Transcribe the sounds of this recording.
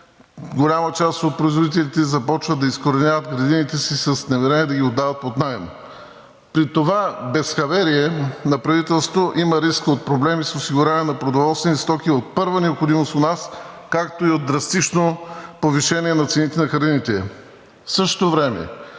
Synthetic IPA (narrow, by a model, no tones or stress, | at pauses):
ɡolʲamɐt͡ʃast̪ot̪̚pɾoizvod̪it̪ɛlit̪ɛzɐpɔt͡ʃvəd̪ːɐiskoɾɛnʲjavət̪ɡɾɐd̪init̪ɛsisɐsnɐmɛɾɛnʲiɛd̪ɐɡʲiod̪avɐt̪̚pot̪najn | pɾit̪ovabɛsxɐvɛɾiɛnɐpɾɐvit̪ɛlˠst̪voʔimɐɾiskot̪̚pɾoblɛmisosiɡʊɾɛniɛnɐpɾod̪ovɔlˠst̪vɛnist̪ɔkiot̪̚pɤɾvənɛopxod̪imost̪ot̪nas | kakt̪oiod̪̚ːɾɐst̪it͡ʃnopoviʃɛnʲiɛnɐt̪sɛnit̪ɛnɐxɾɐd̪init̪ɛ | fsɤʃt̪ovɾɛmɛ̰